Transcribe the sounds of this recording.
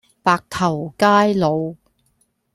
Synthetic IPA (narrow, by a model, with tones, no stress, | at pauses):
paː˧k̚t̪ʰɐ˨˩wkaː˥jlo˨˧w